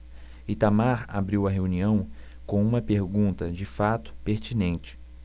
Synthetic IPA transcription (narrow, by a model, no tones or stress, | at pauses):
it̪amaɾa̰bɾiwɐɦeũniɐ̃w̃ | kõw̃ũmɐpeɾɡũnt̪ɐd͡ʒɪfat̪ʊ̥peɾt͡ʃinẽnt͡ʃɪ̥